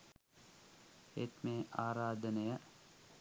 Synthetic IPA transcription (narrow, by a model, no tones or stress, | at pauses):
ḛt̪meːʔaːɾaːd̪ənejə